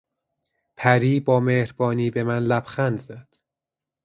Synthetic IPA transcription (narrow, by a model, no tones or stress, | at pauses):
pʰæɾiːbɒːmehɾbɒːniːbemænlæbxænd̪zæd̪̥